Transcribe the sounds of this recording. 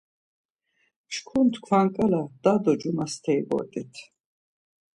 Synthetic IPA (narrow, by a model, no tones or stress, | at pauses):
ʃkʰunt̪ʰkʰwaŋkʼɛlad̪̥ad̪ɔd͡ʒumast̪ʰɛibɔ̰ɾt̪ʼit̪ʰ